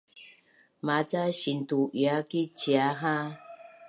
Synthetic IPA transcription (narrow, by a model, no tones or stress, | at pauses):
mat͡saɕint̪uʔjakit͡ɕjaɦã